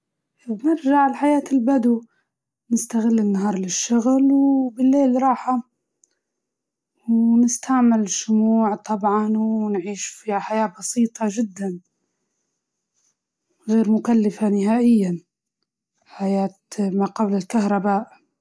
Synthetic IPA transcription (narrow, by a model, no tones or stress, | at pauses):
nɪɾʒaʕɪlħajaːt̪ɪlbad̪u | nɪst̪aɣɪlːɪnːaɦɑːɾˤlɪʃːʊɣlwbɪlːeːlɾˤɑːħa | wnɪst̪ʰaʕmɪlʃʊmuːʕt̪ˤɑbʕɑnwnʕiːʃfihaħajaːbɑsiːt̪ˤʰɑʒɪd̪ːan | ɣeːɾmʊkalːafanɪɦaːʔɪjːan | ħajaːt̪maqɑblalkahɾˤɑbaːʔ